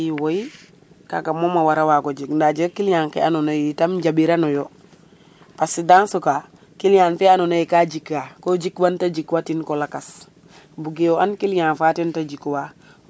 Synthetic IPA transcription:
iwoi | ka̰kamomawaɾawakod͡ʒikndad͡ʒikilɲaːŋkḛanonaitamɟabiɾanojo | pasidansoka | kilɲaːnfianonaikad͡ʒikːakod͡ʒikwantad͡ʒikwatinkolakas | buɡejoankilɲaːnfatintad͡ʒikwa

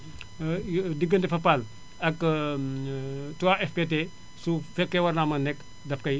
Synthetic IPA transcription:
diɡəntɛfɐpal | ɐk | tuwaʔɛfpete | sufɛkːewɐɾnamɐnɛk | dɐfkɐj

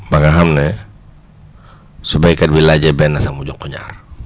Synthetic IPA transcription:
baŋaɦamnɛ | subaikad̚bilad͡ʒabɛnasamud͡ʒɔkuɲa̰r

